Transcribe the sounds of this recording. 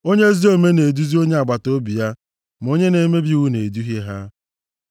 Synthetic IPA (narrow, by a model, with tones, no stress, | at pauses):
o˦ɲe˦zi˦o˦me˦ne˨du˦zi˦o˦ɲe˦a˨ɡ͡ba˨to˦bi˨ja˦ | m˨o˦ɲe˦ne˨me˦bi˦u˦ne˨du˦ɦe˦ɦa˦